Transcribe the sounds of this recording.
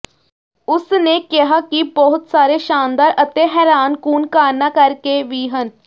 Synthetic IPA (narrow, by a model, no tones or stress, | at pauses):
ʊsnekɪɦakibɔɦʊt̪saːɾeʃaːnd̪aːɾʔət̪eɦɛːɾaːnkuːnkaːɾnaːkəɾkeʋiːɦən